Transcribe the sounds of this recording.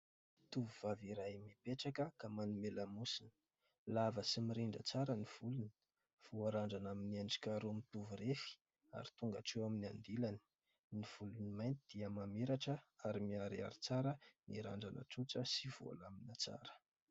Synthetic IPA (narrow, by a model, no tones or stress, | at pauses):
t̪uviv̥aviɾajmipeʈ͡ʂakəkamanumelamusini̥ | lavəsimiɾiɳɖ͡ʐə̰t͡saɾəniv̥uluni̥ | v̥uaɾaɳɖ͡ʐanaminiand͡ʒi̥kaɾumit̪uvuɾefi̥ | a̰ɾit̪uŋɡa̰ʈ͡ʂewamina̰nd̪ilani̥ | niv̥ulunimajnt̪id̪̥iəmameɾaʈ͡ʂəaɾimiaɾia̰ɾit͡saɾəniɾa̰ɳɖ͡ʐanə̰t͡sut͡səsiv̥uo̰laminat͡sa̰ɾə̥